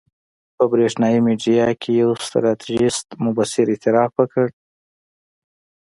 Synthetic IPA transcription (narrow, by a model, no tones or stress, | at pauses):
pəbɾeʂnɑjimeɖijɑkʰejawst̪ɾɑt̪ʰiʒɪst̪mʊbasɪɾɪt̪ɪɾɑfwəkəɽ